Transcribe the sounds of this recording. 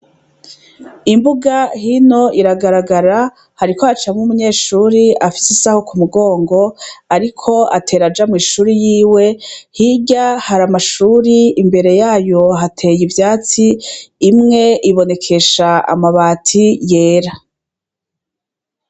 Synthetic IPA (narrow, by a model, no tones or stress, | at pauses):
imbuɡahino̞ʔiɾaɡaɾaɡaɾa | haɾikoat͡ʃamumuɲe̞ːʃuːɾiafi̥sisaho̞kumuɡo̞ːŋɡo̞aɾikʰo̞atʰe̞ːɾad͡ʒamŋiːʃuːɾijiːwe̞hiɟahaɾamaʃuːɾiːmbe̞ɾe̞jaːjo̞ɦatʰe̞jivjaːt͡siːmŋe̞ʔiβo̞ne̞kʰe̞ʃaa̰maβaːtʰije̞ːɾa